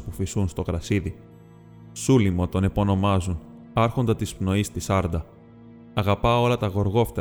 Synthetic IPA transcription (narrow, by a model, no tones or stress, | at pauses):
spufisunst̪o̞kɾɐsiði | sulimot̪o̞nepo̞no̞mɐzun | ɐɾxo̞nd̪ɐt̪ispno̞ist̪isɐɾd̪ɐː | ɣɐpɐo̞lɐt̪ɐɣo̞ɾɣo̞ft̪ɐ